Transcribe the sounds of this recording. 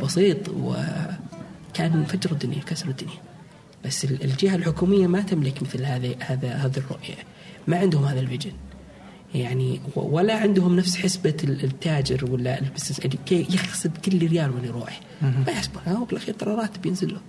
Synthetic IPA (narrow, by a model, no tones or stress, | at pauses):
bɑsˤiːt̪ˤwɪ̰ | kaːnfad͡ʒɾˤɑd̪ːʊnjawkasɾˤd̪ːʊnja | b̥asːɪlɪld͡ʒɪhalħʊkuːmɪjːamat̪ɪmlɪkmɪθlhaːðihaːðahaːðirˤːʊ̰ʔja̰ | maʕɪnd̪hʊmhaːðalfɪd͡ʒɪn | jaʕniw̰walːaʕɪnd̪hʊmnafsħɪsbat̪ːaːd͡ʒɪɾwalːaɪlbɪsnɪsʔalikeːjɪxsɪbkɪlːiɾɪjaːlwɪnːiɾˤṵːʕi | wajɪħsbunbɪlʔaxiːɾt̪ˤɑɾˤɑɾˤɑːt̪bjɪnzɪlːʊ